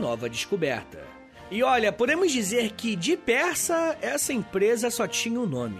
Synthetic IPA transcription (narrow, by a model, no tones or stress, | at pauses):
nɔvɐd͡ʒɪʃkobɛɾt̪ɐ̰ | ɪɔʎɐpod̪ẽmʊzd͡ʒizeɾkɪd͡ʒɪpɛɾsɐɛsɐẽpɾezɐsɔt͡ʃĩɲɐʊnõmɪ̰